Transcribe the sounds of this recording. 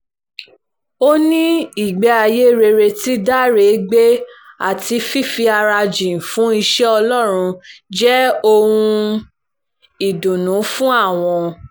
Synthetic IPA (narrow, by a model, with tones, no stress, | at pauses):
o˦nĩ˦i˦˨ɡ͡bɛ˨˦a˧je˦ɾe˧ɾe˧ti˦da˦˨ɾe˨˦ɡ͡be˦a̰˦˨ti˧fi˦˨fi˧a˧ɾa˧d͡ʒĩ˨fũ˦i˧ʃɛ˦ɔ˧lɔ˦˨ɾ̃ũ˧d͡ʒɛ˦o˧ũ˧ | i˨dũ˨nũ˨˦fũ˦a˦˨w̃ɔ̃˧